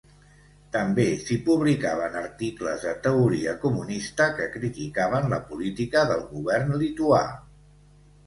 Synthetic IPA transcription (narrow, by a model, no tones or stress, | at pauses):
t̪əmbesipuβ̞likaβ̞ənəɾt̪iklə̰zðət̪əuɾiəkumunist̪əkəkɾit̪ikaβənləpulit̪ikəðəlˠɣuβɛrnlit̪ua̰